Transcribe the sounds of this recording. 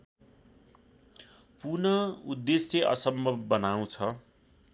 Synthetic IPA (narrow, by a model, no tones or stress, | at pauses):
punʌud̪ːesjʌʔʌ̰sʌmbʱʌbːʌnaũt͡sʰʌ